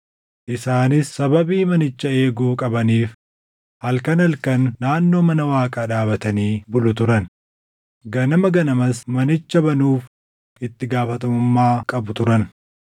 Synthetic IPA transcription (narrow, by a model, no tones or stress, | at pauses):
ʔɪsaːnɪsːɐbɐbiːmɐnɪt͡ʃːɐe̞ːɡuːkʼɐbɐniːf | hɐlkɐnɐlkɐnːaːnːo̞ːmɐnɐwaːkʼaːᶑaːbɐt̪ɐniːbʊlʊt̪ʊɾɐn | ɡɐnɐmɐɡɐnɐmɐsmɐnɪt͡ʃːɐbɐnuːf | ʔɪt̪ːɪɡaːfɐt̪ɐmʊmːaːkʼɐbʊt̪ʊɾɐn